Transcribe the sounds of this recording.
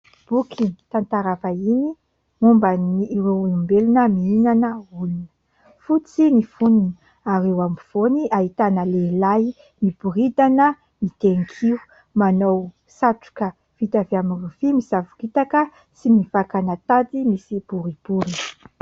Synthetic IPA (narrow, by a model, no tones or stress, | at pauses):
b̥ukʰit̪ant̪aɾavaini | umbəniːɾewimbelunəmiinanəulunə̥ | fut͡sinifunini | aɾewamv̥oniʔaɦit̪anəlelaj | nib̥uɾid̪anə | mit̪eŋkʰiu | manow | saʈ͡ʂu̥kə | v̥it̪aveamirufimizavukit̪akə | simivakanat̪ad̪imisib̥uɾib̥uɾi̥